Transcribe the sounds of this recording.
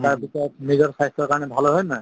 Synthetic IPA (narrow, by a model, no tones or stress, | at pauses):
taɹbitɔmiɡɔɹsʰajstɔɹkaɹnɛbʱalɔɦɔjna